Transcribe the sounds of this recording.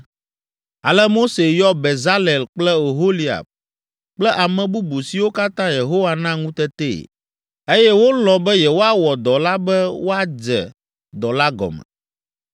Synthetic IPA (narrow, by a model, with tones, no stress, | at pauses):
a˨lɛ˦mo˦se˨jɔ˦be˨za˦le˨lk͡plɛ˦o˨ɦo˦li˨a̰˨b̚ | k͡plɛ˦ʔa˨mɛ̃˨bu˦bu˨si˨wo˦ka˦t̪ã˦je˨ɦo˦wa˦nã˦ŋũ˦t̪ɛ˦t̪ḛ˦˨ | e˦jɛ˦wo˦lɔ̃˨bɛ˦jɛ˨wo˦a˦wɔ˨d̪ɔ˨la˦bɛ˦wo˦a˨d͡ʒɛ̰˨ | d̪ɔ˨la˦ɡɔ̰˨mɛ̰˨